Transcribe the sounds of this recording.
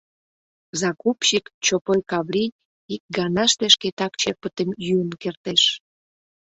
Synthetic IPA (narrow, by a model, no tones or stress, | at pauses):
zɑkupɕikt͡ɕopojkɑβɾʲi | ik̚ɡɑnɑʃt̪eʃket̪ɑkt͡ɕepət̪əmjyənkert̪eʃ